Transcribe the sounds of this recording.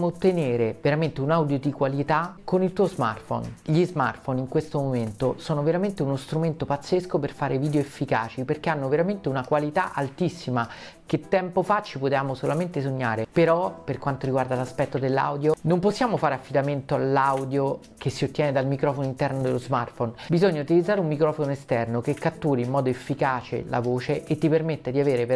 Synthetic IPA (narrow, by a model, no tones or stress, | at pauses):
amoːt̪ːeneːɾeveɾament̪eunawd̪jod̪ikwalit̪akːonilt̪uozma̰rt̪fo̰nʎizma̰rt̪foniŋkwest̪omoment̪osɔːnoveɾament̪eunost̪ɾument̪opat̪sːeskoperfaːɾeviːd̪eoefːika̰ːt͡ʃiperk̟eanːoveɾament̪eunakwalit̪a̰ʔalt̪isːima | k̟et̪ːɛmpofat͡ʃːipot̪eaːmosolament̪es̬oɲːaːɾepeɾɔperkwant̪oɾiɡward̪alaspɛt̪ːod̪elːa̰wd̪jonomposːjaːmofaːɾeafːid̪ament̪oalːawd̪jo | kesːiot̪ːjɛːned̪almikɾɔːfonoint̪ɛrnod̪elozmart̪fonbizoɲːaut̪ilid̪zaːɾeumːikɾɔːfonoest̪ɛrnokekːat̪ːuːɾiimːɔːd̪oefːikaːt͡ʃḛla̰voːt͡ʃeʔːt̪ːipermet̪ːed̪iaveːɾe